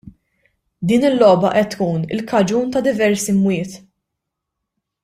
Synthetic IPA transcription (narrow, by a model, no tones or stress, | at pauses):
d̪iːnɪlːɔːbɐʔɛt̪ːkuːnɪ̰lkɐd͡ʒuːnt̪ɐd̪ɪvɛɾsimwɪːt̪